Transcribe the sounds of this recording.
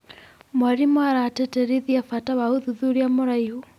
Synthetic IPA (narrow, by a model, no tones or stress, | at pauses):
mwaɾimɔaɾatɛtɛɾiðiafatawauðuðuɾiamoɾaihu